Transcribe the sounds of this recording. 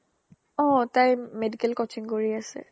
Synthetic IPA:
ɔ̃tajmedikɛlkɔt͡ʃiŋkoɹiasɛ̰

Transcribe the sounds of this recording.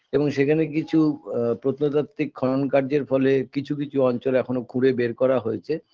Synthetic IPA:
eboŋʃekʰanekit͡ɕʰupɾot̪not̪at̪ːɾikʰːɔonkaɾd͡ʑeɾfɔlekit͡ɕʰukit͡ɕʰuɔnt͡ɕolɛkʰonokʰũɽebeɾkɔɾaɦojet͡ɕʰe

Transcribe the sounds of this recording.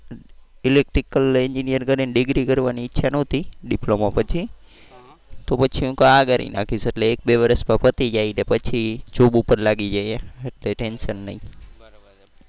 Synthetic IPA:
ɪlek̚ʈɾikəleɲd͡ʒinijəɾkəɾinɖɪɡɾikəɾʋaniːtːʃʰanəɦt̪iɖɪplomapət͡ʃʰi | t̪opət͡ʃʰiũkaaɡəɾḭna̰kʰiseʈleːk̚beʋəɾəsmapət̪id͡ʒainepət͡ʃʰid͡ʒobupəɾlaɡid͡ʒaieeʈleʈenʃənːəĩ

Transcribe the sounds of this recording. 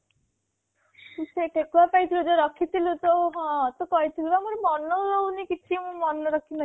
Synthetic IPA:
sekʰekuapajt̪ʰilud͡ʒoɾɔkʰit̪ʰilut̪oɦɔ̃t̪okɔit̪ʰilubamuɾmɔnɔɾownikit͡ʃʰimũmɔnɔɾɔkʰinɔ

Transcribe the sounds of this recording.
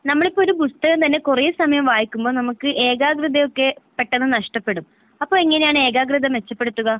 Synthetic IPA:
nɐmːɐɭipːoːoɾubust̪ɐɣɐmt̪ɐnːe̞kurejusɐmɐjɐmʋaːjikʲːumbo̞ːnɐmukːɨʔe̞ːɣaːɡrɨd̪ejo̞kːe̞pːe̞ʈːenːɨnɐʂʈɐpːe̞ɽum | ɐpːo̞ːɭiŋːɐne̞jaːɳɨe̞ːɣaːɡrɨd̪ɐmʋe̞t͡ɕːɐpːeɽut̪ːuɣɐ

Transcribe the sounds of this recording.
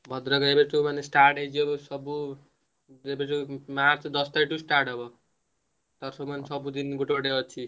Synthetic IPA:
bʱʌd̪ɾʌɡʌebeʈʰumʌnesʈaɾʈejd͡ʒebsʌbu | ebeʈʰumaɾt͡sʰd̪ʌst̪ajʈusʈaɾʈʌbʌ | t̪ʌɾsomansʌbud̪inɡuʈoɽeʌt͡sʰi

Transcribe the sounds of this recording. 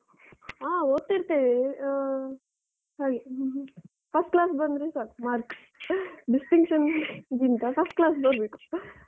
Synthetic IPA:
aːoːt̪ːiɾt̪ee | ɦaːɡe | pʰɐsʈklaːsbɐnd̪ɾesaːɾmaːɾks | ɖisʈiŋkʂɐnɡ̪ind̪apʰɐsʈklaːs̬bɐɾbeku̥

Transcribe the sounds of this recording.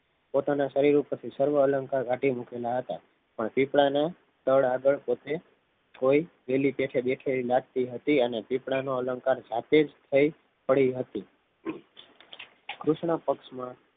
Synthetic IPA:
pot̪anaʃəɾiɾupəɾt̪ʰisəɾʋəːləŋkaɾɡʱaʈimukelaɦət̪a̰ | pəɳpipɽane | t̪əɭaɡəɭpot̪e | koi | ʋelipeʈʰeɓeʈʰelilaɡ̚t̪iɦət̪iənepipɽanoələŋkaɾd͡ʒat̪ed͡ʒt̪ʰəi | pəɽiɦət̪i | kɾuʃɳəpəkʃmã

